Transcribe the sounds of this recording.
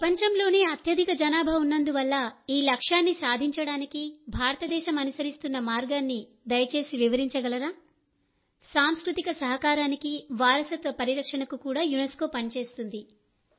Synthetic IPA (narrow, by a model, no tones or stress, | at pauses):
pɾɐpɐɲt͡ʃɐmlo̞ːne̞ːɐt̪ʰjɐd̪ʱikɐd͡ʒɐnaːbʱɐunːɐnd̪uʋɐlːɐiːlɐkʂaːnːisaːd̪ʱiɲt͡ʃɐɽaːnikibʱaːɾɐt̪ɐd̪ɛːʃɐmɐnusɐɾist̪unːɐmaːɾɡaːnːi | d̪ɐjɐt͡ʃe̞ːsiʋiʋɐɾiɲt͡ʃɐɡɐlɐɾaː | saːmskɾut̪ikɐsɐɦɐkaːɾaːnikiʋaːɾɐsɐt̪ʋɐpɐɾiɾɐkʂɐɳɐkukuːɽaːjunesko̞ːpɐnt͡ʃe̞ːst̪und̪i